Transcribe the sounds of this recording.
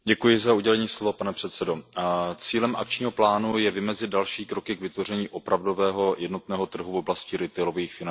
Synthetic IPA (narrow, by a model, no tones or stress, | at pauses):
ɟɛkujɪzauɟɛlɛɲiːslo̞vapanɛpr̝̥ɛt̪sɛdo̞t͡siːlɛmʔa̰kt͡ʃɲiːɦo̞plaːnujɛvɪmɛzɪt̪dalʃiːkɾo̞kɪkvɪt̪vo̞rɛɲiːʔo̞pɾavdo̞vɛːɦo̞jɛdno̞t̪nɛːɦo̞t̪r̩ɦuvo̞blascɪɾɪt̪ɛjloviːxfɪna